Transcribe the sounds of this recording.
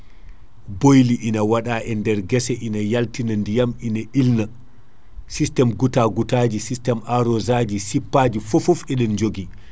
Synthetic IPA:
bojliʔinawaɗaʔɛndɛɾɡɛsɛʔinajaltinandijaminaʔilna | sistɛmɡutaɡutad͡ʒisistɛmʔaɾɔzad͡ʒisipːad͡ʒifɔfɔfɛɗɛnd͡ʒoɡi

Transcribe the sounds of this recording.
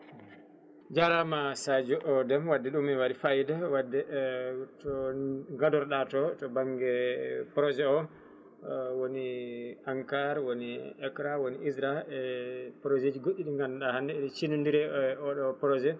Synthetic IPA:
d͡ʒaɾamasad͡ʒɔʔɔdɛmwadːɛɗumːiwaɾifajdawadːɛtɔŋɡadɔɾɗatɔtɔbaŋɡɛpɾɔzɛɔ | woniaŋkaɾwoniɛkɾawoniisɾaɛpɾozed͡ʒiɡoɗːiɗiŋɡanɗahandɛɗɛt͡ʃinundiɾɛɔɗɔpɾɔzɛ

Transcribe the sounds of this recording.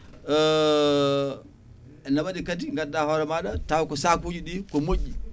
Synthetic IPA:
ɛnabaɗikatiŋɡadːaːhɔɾɛmaɗatawkɔsakud͡ʒiɗikɔmoɟːi

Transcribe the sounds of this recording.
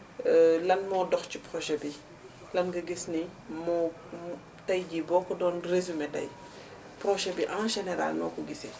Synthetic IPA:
lɐnmɔdɔxcipɾɔʃɛbi | lɐnɡɐɡisnimɔ | tɐjɟibɔːkːɔdɔːnrezumɛdɐ̰j | pɾɔʃɛbiʔãʒɛnɛɾa̰lnɔːkɔɡisɛ

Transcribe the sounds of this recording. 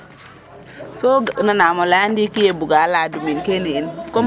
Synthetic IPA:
soɡnanamolaandikijebuɡaladuminkeniːnko

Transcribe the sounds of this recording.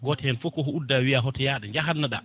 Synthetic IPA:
ɡɔtɛhɛnfɔkːɔɦɔudːawijaɦɔtɔjaɗaɲd͡ʒaɦanːaɗa̰

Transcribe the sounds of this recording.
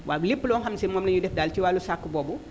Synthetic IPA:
wʔaːbulipːlɔnxamsimɔmnɐɲudɛfdaːltiwalusakːubɔːbu

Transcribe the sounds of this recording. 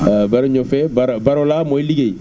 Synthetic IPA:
baɾeɲofɛbaɾbaɾolamoiliɡeje

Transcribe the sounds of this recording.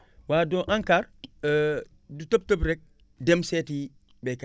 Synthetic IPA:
wadoʔaŋkaɾ | dutop̚tob̬ɾɛk̚ | demseti | bɛk

